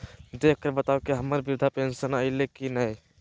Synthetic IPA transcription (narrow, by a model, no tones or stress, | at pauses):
d̪ekʰkːəɾbət̪awkeɦəməɾbiɾud̪ʱapensənəɪlekinəj